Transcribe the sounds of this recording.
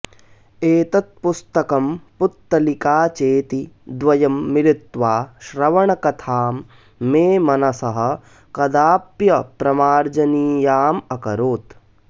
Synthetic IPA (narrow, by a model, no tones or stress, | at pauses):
eːt̪ɐt̪̚pust̪ɐkɐmput̪ːɐlikaːt͡ʃeːt̪id̪ʋɐjɐmːilit̪ʋaːʃɾɐʋɐɳɐkɐt̪ʰaːmː | eːmɐnɐsɐɦɐ̆ | kɐd̪aːpjɐpɾɐmaːɾd͡ʒɐniːjaːmɐkɐɾoːt̪